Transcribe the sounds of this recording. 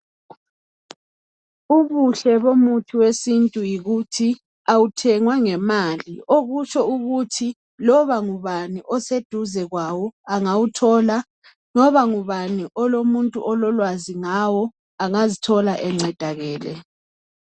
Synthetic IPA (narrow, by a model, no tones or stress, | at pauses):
uβuɬɛβomutʰiwesintʼujiɣutʰi | awutʰɛŋwaŋɛmalioɣut͡ʃʰʼɔuɣutʰi | lɔβaŋuβaniʔɔsed̥ʱuzɛɣwawɔaŋawutʰɔla | ŋɔβaŋuβaniʔɔlomuntʼuʔɔlɔlwaziŋawɔ | aŋazitʰɔlaʔɛŋ͡ǀɛd̥ʱaɣɛːlɛ̰